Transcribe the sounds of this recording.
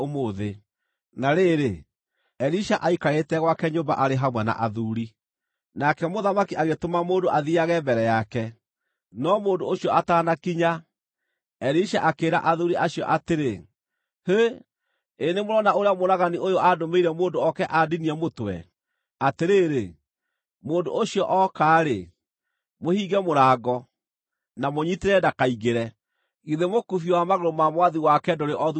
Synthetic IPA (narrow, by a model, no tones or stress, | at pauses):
omoːðe | naɾeːɾe | ɛɾiʃaʔaikaɾetɛɣwakɛɲoːmba̰ʔaɾeɦamwɛna̰ʔaðuɾi | nakɛmoðamakiʔaɣetomamoːndoʔaðiaɣɛbɛɾɛjakɛ | nɔmoːndoːɕiɔʔataːnakiɲa | ɛɾiʃaʔakeːɾa̰ʔaðuɾiʔaɕiɔ̰ʔateɾe | he | enemoɾɔnaoɾeamoɾaɣaniʔojoʔadomeiɾɛmoːndoɔkɛʔadiniɛmotwɛ̰ | ateɾeɾe | moːndo̰oɕiɔʔɔkaːɾe | mohiːɡɛmoɾaːɡɔ | namoɲiteɾɛdakaiɣeɾɛ | ɣiðemokufiwamaɣoɾomamwaðiwakɛdoɾeʔɔð